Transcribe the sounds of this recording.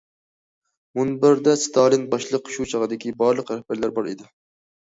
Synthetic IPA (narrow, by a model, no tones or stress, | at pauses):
munbɪɾd̪ɛst̪ʰɑlˠɨnbɑʃlˠəqʃut͡ʃʰəʁɨd̪ɪkʲibɑɾlˠəqɾæhb̥æɾlæɾbɑɾḛd̪ɪ